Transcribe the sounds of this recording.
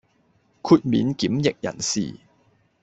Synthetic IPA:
kʰuː˧t̚miː˨˥nki˨˥mjɪ˨k̚jɐ̰˨˩nsḭː˨˩

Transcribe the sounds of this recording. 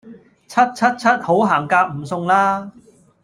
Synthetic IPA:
t͡sʰɐ˥t̚t͡sʰɐ˥t̚t͡sʰɐ˥t̚ho˨˥wɦaː˨˩ŋkaː˧k̚m̩˨˩sʊ˧ŋlaː˥

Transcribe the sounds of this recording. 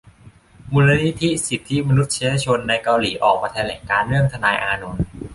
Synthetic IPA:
mu˧nla˧˥ni˦˥t̪ʰi˦˥si˨˩t̪ʰːi˦˥ma˧nu˦˥t̪̚t͡ɕʰe˧˥ja˧t͡ɕʰo˧nːa˧jka˧wliː˩˦ʔɔː˨˩k̚maː˧t̪ʰɛː˧lɛː˩˦ŋkaː˧nɾɯ˥˩əŋt̪ʰa˧naː˧jʔaː˧no˨˧n

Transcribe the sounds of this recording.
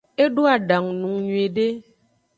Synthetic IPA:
e˦ɖo˦a˨da˨ŋnu˨ŋɲwe˨de˦

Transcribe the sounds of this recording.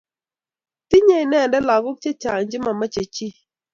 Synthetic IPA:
ti˦ɲe˦ɪ˨nɛ˦˨ndɛ˦la˨ɡʊ˦k̚t͡ʃe˦t͡ʃa˨ŋɲd͡ʒɪ˦ma˨ma˦t͡ʃe˨t͡ʃi˦

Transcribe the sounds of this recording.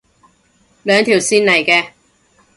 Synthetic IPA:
lœː˨˧ŋt̪ʰiː˨˩wsiː˥nɐ˨˩jkɛː˧

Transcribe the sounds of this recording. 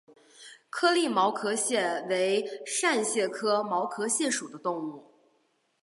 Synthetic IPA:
kʰɤ˥li˥˩mɑ˧˥ʊkʰɤ˧˥ɕjɛ˥˩we˧˥ɪʂa˥˧nɕjɛ˥˩kʰɤ˥mɑ˧˥ʊkʰɤ˧˥ɕjɛ˥˩nʂu˨˩d̪ə˦t̪ʊ˥˧ŋu˥˩

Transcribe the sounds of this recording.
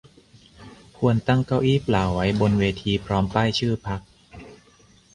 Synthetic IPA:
kʰu˧ənt̪a˥˩ŋka˥˩wʔiː˥˩plaː˨˩wwa˦˥jbo˧nweː˧t̪ʰiː˧pʰɾɔː˦˥mpaː˥˩jt͡ɕʰɯː˥˩pʰa˦˥k̚

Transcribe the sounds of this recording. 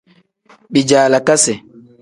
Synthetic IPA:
ɓid͡ʒaːla˨ka˦sɛ˨

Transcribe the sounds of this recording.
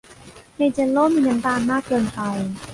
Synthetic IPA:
he˧˩t͡ɕa˧˥loː˥˩miː˧˩ʔa˧nt̪aː˧˩nmaː˥˩kːɤː˧npa˧j

